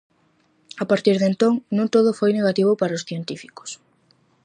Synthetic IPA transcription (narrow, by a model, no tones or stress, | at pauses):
apaɾt̪iɾðent̪õŋnũŋt̪oðʊfojneɣ̞at̪iβʊpaɾaosθjent̪ifiko̥s